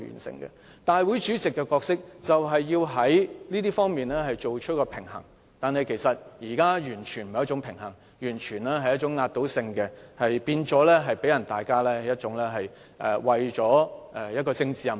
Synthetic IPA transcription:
y̰˨˩nsɪ̰˨ŋkɛ̰˧ | t̪aː˨jwuː˨˥jt͡ʃyː˨˥t͡sɪ˨kːɛ˧kɔː˧k̚sɪ˥k̚t͡sɐ˨wɦɐ˨jːiː˧wɦɐ˨˥jliː˥t̪iː˥fɔː˥ŋmiː˨nlɛː˥hɐ˨jt͡ʃo˨wt͡ʃʰɵ˥t̚kɔː˧pʰɪ˨˩ŋɦɐ̰˨˩ŋ | t̪aː˨nɦɐ˨jkʰe˨˩jsɐ˨t̚jiː˨˩kaː˥jyː˨˩nt͡ʃʰy˨˩nm̩˨jɐ˥t͡ʃt͡sʊ˨˥ŋpʰɪ˨˩ŋhɐ˨˩ŋ | jyː˨˩nt͡ʃʰyː˨˩nlɛː˥ɦɐ˨jɐ˥t͡ʃʊ˨˥ŋːaː˧t̚t̪o˨˥wsɪ˧ŋkɛ˧hɐ˨jpiː˧nt͡sɔː˨˥lɛː˥ɦɐ˨jpe˨˥jɐ˨˩nt̪aː˨jkaː˥lɛː˥jɐ˥t̚t͡ʃʊ˨˥ŋlɛː˥ɦɐ˨j | ʔɛ̰˨˩wɐ˨jt͡ʃɔː˨˥ɛ˨˧jɐ˥t̚kɔː˧t͡sɪ˧ŋt͡siː˨˧jɐ˨m

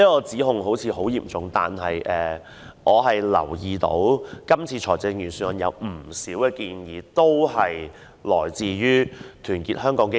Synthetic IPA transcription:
niː˥kɔː˧t͡siː˨˥ɦʊ˨˧ŋɦo˨˥wt͡sʰiː˨˧ɦo˨˥wjiː˨˩mt͡sʊ˨ŋt̪a̰ː˨nɦɐ˨jʔɛː˨ | ʔɔː˨˧ɦɐ˨jlɐ̰˨˩wjiː˨t̪o̰˨˥wkɐ˥mt͡sʰiː˧t͡ʃʰɔː˨˩t͡sɛ˧ŋjyː˨˩nsy˧˥ə˨njɐ̰˨˧wm̩˨˩siː˨˥wkɛː˧kiː˧njiː˨˧t̪o˥whɐ˨j | lɔ̰ː˨˩jt͡siː˨ɥyː˥t̪ʰyː˨˩nkiː˧t̚hœː˥ŋkɔː˨˥ŋke˥

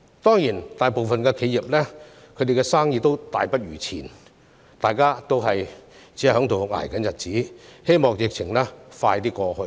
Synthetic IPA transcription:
t̪ɔː˥ŋjiː˨˩nt̪aː˨˩jpo˨wfɐ˨nkɛː˧kʰe˨˧ji˨p̚lɛː˥ | kʰɵ˨˧t̪e˨kɛ˧saː˥ŋjiː˧t̪o˥wt̪aː˨jpɐ˥t̚jyː˨˩t͡sʰḭː˨˩n | t̪aː˨jkaː˥t̪o˥wɦɐ˨jt͡si˨˥˨hœː˨˥ŋt̪o˨wŋa̰ː˨˩jkɐ˨˥njɐ˨t̚t͡siː˨˥he˥jmɔː˨˩ŋjɪ˨k̚t͡sʰɪ˨˩ŋlɛː˥faː˧jt̪iː˥kɔː˧hɵ˧

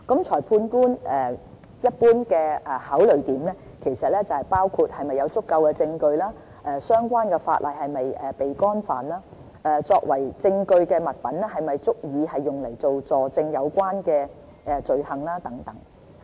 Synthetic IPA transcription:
kɐ˨˥mt͡ʃʰɔː˨˩jpʰuː˧nkuː˥nɛː˨˩ | jɐ˥t̚puː˥nkɛː˧ɛ˨haː˨˥wlɵ˨ɥt̪iː˨˩mlɛː˥ | kʰe˨˩jsɐ˨t̚lɛ˥t͡sɐ˨whɐ˨jpaː˥wkʰuː˧t̚hɐ˨jmɐ˨jːɐ˨˧wt͡sʊ˥kːɐ˧wkɛː˧t͡sɪ˧ŋkɵ˧ɥlaː˥ | ʔɛː˨˧sœː˥ŋkʷaː˥nkɛː˧fa̰ː˧t̚lʔɐ˨jhɐ˨jmɐ˨jɛː˨pe˨jkɔː˥nfaː˨˩nlaː˥ | ɛː˨t͡sɔː˧k̚wɐ˨˩jt͡sɪ˧ŋkɵ˧ɥkɛː˧mɐ˨t̚pɐ˨˥nɛ˥ɦɐ˨jmɐ˨jt͡sʊ˥k̚jiː˨˧hɐ˨jːʊ˨˩ŋlɐ˨˩jt͡so˨wt͡sɔː˨˩t͡sɪ˧ŋjɐ˨˧wkʷaː˥nkɛː˧ | ɛ˨˧t͡sɵ˨ɥhɐ˨ŋlaː˥t̪ɐ˨˥ŋt̪ɐ˨˥˦ŋ

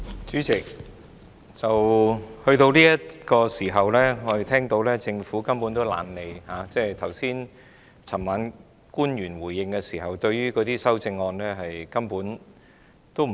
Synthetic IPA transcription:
t͡ʃyː˨˥t͡sɪ˨k̚ | t͡sɐ˨whɵ˧ɥt̪o˧wliː˥jɐ˥tkɔː˧siː˨˩ɦɐ˨wlɛː˥ŋɔ˨˧e˨t̪ʰɛː˥ŋt̪o˨˥wlɛː˥t͡sɪ˧ŋfuː˨˥kɐ˥mpuː˨˥nt̪o˥wla̰ː˨˧nle˨˧jhaː˨˥t͡sɛː˥˩t̪ʰɐ˨˩wsiː˥n | t͡sʰɐ˨˩maː˨˧n | kuː˥njyː˨˩nwuː˨˩jːɪ˧ŋkɛ˧siː˨˩ɦɐ˨˩wt̪ɵ˧ɥɥyː˥kɔː˨˧t̪iː˥sɐ˥wt͡sɪ˧ŋːɔː˧nlɛː˥ɦɐ˨jkɐ˥mpuː˨˥n | t̪o˥w

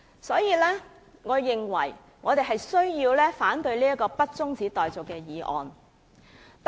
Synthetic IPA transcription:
sɔː˨˥jiː˧lɛː˥ | ŋɔː˨˧ɪ˨ŋwɐ̰˨˩j | ŋɔː˨˧t̪e˨jɦɐ˨jsɵ˥ɥjiː˧wlɛː˥faː˨˥nt̪ɵ˧ɥliː˥ɐ˥kɔː˧pɐ˥t̚t͡sʊ˥ŋt͡siː˨˥t̪ɔː˨jt͡sʊ˨kːɛː˧jiː˨ʔɔ̰ː˨n | t̪

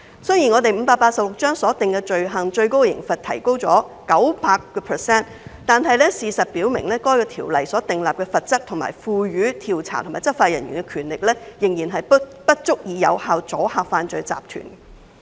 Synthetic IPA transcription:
sɵ˥jiː˨˩ŋɔː˨˧t̪e˨jm̩˨˧paː˧k̚paː˧t̚sɐ˨p̚lʊ˨k̚t͡ʃœː˥ŋsɔː˨˥t̪ɪ˨ŋkɛ˧t͡ʃɵ˨ɥɦɐ˨˩ŋt͡ʃɵ˧ɥko˥wjɪ̰˨˩ŋfɐ˨t̚t̪ʰɐ˨˩jko˥wt͡sɔː˨˥kɐ˨˥wpaː˧kːɔː˧pʰə˨sɛː˥n | t̪aː˨nɦɐ˨˧jlɛː˥siː˨sɐ˨t̚piː˨˥wmɪ̰˨˩ŋlɛː˥kɔː˥jkɔː˧t̪ʰiː˨˩wlɐ˨jsɔː˨˥t̪ɪ˨ŋlaː˨p̚kɛː˧fɐ˨t̚t͡sɐ˥k̚t̪ʰʊ˨˩ŋma̰ː˨˩jfuː˨˧jyː˨˥t̪ʰiː˨˩wt͡sʰa̰ː˨˩t̪ʰŋmaː˨˩jt͡sɐ˥faː˧t̚jɐ̰˨nɥyː˨˩nkɛ˧kʰyː˨˩nlɪ˨k̚lɛː˥jɪ˨˩ŋjiː˨˩nɦɐ˨jppɐ˥t̚t͡sʊ˥k̚jiː˨˧jɐ̰˨˧whaː˨wt͡sɔː˨˥haː˨˧kfaː˧nt͡sɵ˧t͡sa̰ː˨p̚t̪ʰy̰˨˩n

